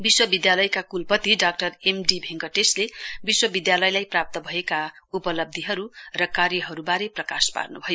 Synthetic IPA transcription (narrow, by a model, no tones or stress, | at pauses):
biswʌbid̪jalʌjkakulpʌt̪iɖak̚ʈʌremɖibʱeŋɡʌʈeslebiswʌbid̪jalʌjlajprap̚t̪ʌbʱʌeka | upʌlʌb̚d̪ʱiɦʌɾurʌkaɾjʌɦʌɾubaɾeprʌka̰spa̰rnubʱʌjo